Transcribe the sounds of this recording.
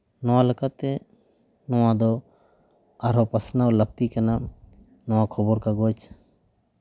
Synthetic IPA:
nɔwalekat̪ːɛ | nɔwad̪ɔ | aɾɔpasnaləɡ̚t̪ikana | nɔwakʰɔbɔɾkaɡɔt͡ʃ

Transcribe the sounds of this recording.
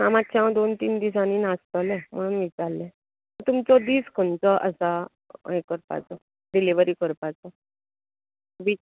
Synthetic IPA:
a̰matt͡ɕʰãʋ̃d̪ont̪iːnd̪is̬aniːnast̪əlɛ̃m̤əɽ̃uːnʋit͡saɾlɛ̃ | ət̪umt͡sɔd̪iːskʰəɳt͡səʔəsa̰ | ekəɾpa̰t͡sə | ɖiliʋəɾiːkəɾpat͡sə | ʋi

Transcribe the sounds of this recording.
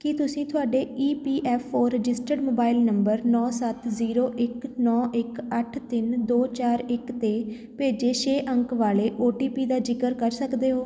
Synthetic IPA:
kɪt̪ʊsĩːt̪ʰʊaːɖeːiːpiːʔɛːpʰoːɾɪd͡ʒɪsʈəɖmoːbaːɪlnəmbəɾnɔːsət̪ziːɾoːʔɪknɔːʔɪkəʈʰt̪ɪnd̪oːt͡ʃaːɾɪkt̪eː | peːd͡ʒeːʃeːʔə̃ŋkʋaːleːʔoːʈiːpiːd̪aːd͡ʒɪkəɾkəɾsəkd̪eːɦoː

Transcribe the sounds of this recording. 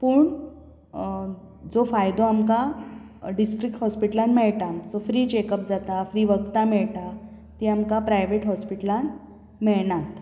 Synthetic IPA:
puːɳ | d͡zofajd̪oamka | ɖisʈɾik̚ʈhɔspiʈəlanmɛɭʈamd͡zofɾiːt͡ɕekəpd͡zat̪afɾiːʋəɡt̪amɛɭʈa | t̪iamkapɾajʋeʈɦɔspiʈəlan | mɛɭɳat̪

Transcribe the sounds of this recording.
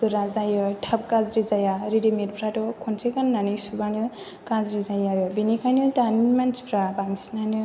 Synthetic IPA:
kɯɾazajɯtʰap̚kazɾizajaɾidimet̚pʰɾatɔkʰɔnsʰekanːanɯsubanɯ | kazɾizajaɾɯbinikʰajnɯtanimanspʰɾabaŋsnanɯ

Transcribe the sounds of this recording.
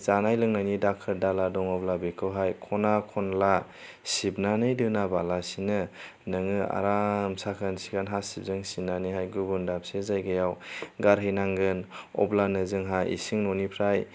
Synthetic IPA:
zanajlɯŋnajnidakʰɯɾdaladɔŋɔblabekʰɯwɦajkʰɔnakʰɔnla | sibnanɯjdɯnabalasinɯ | nɯŋɯa̰ɾamsakʰansi̥kʰanɦasib̚zɯŋsinaniɦajɡubundap̚sezajɡɯjawɡaɾɦɯjnaŋɡɯnɔ̰blanɯzɯŋɦajḭsiŋnɔnipʰɾaj

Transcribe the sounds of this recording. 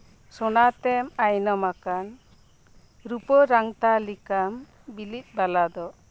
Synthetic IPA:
sɔnat̪ɛmajnɔmakan | ɾupɔɾaŋt̪alikam | bilit̪̚ˀbalad̪ɔ

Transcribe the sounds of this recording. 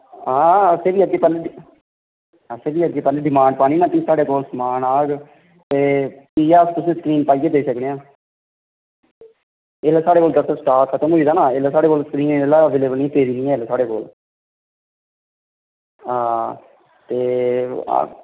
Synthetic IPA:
ãːəseːʋiːəɡeːpɛːle | əseːbiːəɡeːpɛːleːɖɪmãːɳɖpaːniːnãːt̪isaːɽeːkoːlsəmaːnaːɡ | t̪eːpiːjaːst̪ʊsnẽːsə̥kɾiːnpaːiːkeːd̪eːsəkneːãː | eːlaːsaːɽeːkoːld̪əɾt̪aːsʈaːkʰət̪əmɦoːiːd̪aːnãːeːlaːsaːɽeːkoːlsəkɾiːneːlaːəʋeːleːbəlniaːt̪eːɾiːnĩːɛːelaːsaːɽeːko̰ːl | ɦãː | t̪eːa̰

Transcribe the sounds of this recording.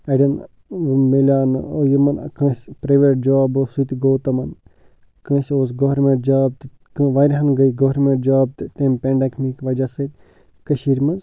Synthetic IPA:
ɐɖɐn | melʲaːnɨoːjimɐnɐ̰kɐ̃sʲpɾɐʋeʈ̚d͡ʒaːbɨsut̪ɡoːt̪ɐmɐn | kɐ̃ːsoːsɡoɦɾmẽɳʈ̚d͡ʒaːb̚t̪ɨ | kɨʋajɾʲɦɐnɡɐiɡoɦɾmẽɳʈ̚d͡ʒʋaːb̚t̪ɨt̪eːmpʲeɳɖɐkʰmikʋɐd͡ʒasɨtʲ | kɐʃiːɾmɐz

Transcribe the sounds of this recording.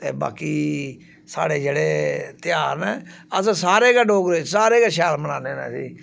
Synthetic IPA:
t̪ḛːba̰ːkiː | saːɽeːd͡ʒeːɽeːt̪ɪjaːɾnɛːəssaːɾeːkaːɖoːɡɾesaːɾeːkaːʃjaːlməɽaːneːnɛ̰ːsḭː

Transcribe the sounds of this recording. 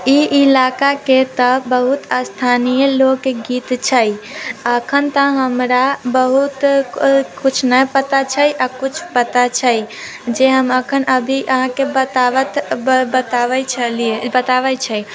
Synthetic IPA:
iʔilakaket̪əbəɦut̪ast̪ʰanijəloɡkeɡit̪t͡ʃʰəjəkʰənt̪ə̃ɦəmɾabəɦut̪ | kut͡ʃʰnəpət̪at͡ʃʰəiʔakut͡ʃʰpət̪at͡ʃʰəi | d͡ʒeɦəməkʰənʔəbʱiʔəɦãkebət̪aʋət̪bət̪aʋət͡ʃʰəliebət̪aʋət͡ʃʰəi

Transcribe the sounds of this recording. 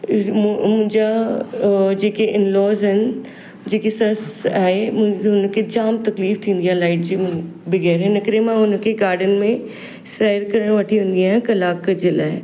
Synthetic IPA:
mʊ̃ɦɪ̃ɲd͡ʑa | d͡ʑeːkeʔɪnlɔːzɦɪnɪ̆ | d͡ʑeːkesɐsa̰ːɦemʊ̃ʊnkʰed͡ʑaːmt̪ɐkliːft̪ʰĩːn̆d̪ijaːlaːɪʈd͡ʑiːʊ̃bɪɣɛːɾɪnəkɾemãʊn̆kʰeɡaːɾɖənmẽ | saːəɾkɐɾəɽ̃ʋɐʈʰiʋẽnd̪iaːɦɪ̃nkɐlaːkɐd͡ʑeːla̰ːɦe

